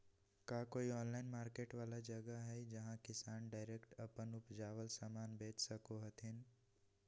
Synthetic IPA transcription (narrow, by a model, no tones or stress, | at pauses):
kaːkoːiɔːnlaːɪnmaːɾkeːʈʋaːlad͡ʒɐɡəɦɛid͡ʒɐɦãkɪsaːnɖaːɪɾeːkʈɐpənʊpd͡ʒaːʋəlsaːmaːnbeːt͡ʃʰsɐkoɦɐt̪ʰɪn